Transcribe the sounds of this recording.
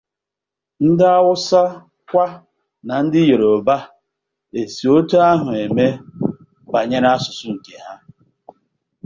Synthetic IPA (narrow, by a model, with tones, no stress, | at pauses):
n̩˦dɪ˦a˦wʊ˦sa˦ | kʷa˦ | na˨n̩˦dɪ˦je˨ɾo˨ba˦ | e˨si˨o˦tu˦a˦ɦʊ˨e˨me˦ | ba˨ɲe˦ɾa˦a˦sʊ˨sʊ˦ŋ̩˨ke˨ɦa˦